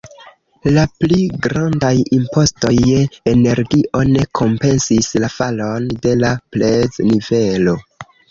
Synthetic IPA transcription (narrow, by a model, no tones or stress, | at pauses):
lapliɡɾandajimpo̞sto̞jene̞ɾɡiʔo̞ne̞kʰo̞mpe̞nsislafalo̞nde̞lapleznive̞lo̞